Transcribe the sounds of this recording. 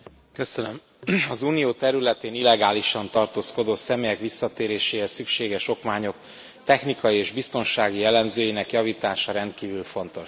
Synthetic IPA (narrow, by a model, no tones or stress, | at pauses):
kø̞sønøm | ɒzuːnijoːt̪ɛɾylɛt̪eːnilɛɡaːliʃɒnt̪ɒrt̪oːsko̞d̪oːsɛmeːjɛkʋisːɒt̪eːɾeːʃeːɦɛsykʃeːɡɛʃo̞kmaːɲo̞k | t̪ɛxnikɒjieːʒbist̪o̞nʃaːɡijɛlːɛmzøːjinɛkjɒviːt̪aːʃɒɾɛnt̪kiːvylfo̞nt̪o̞ʃ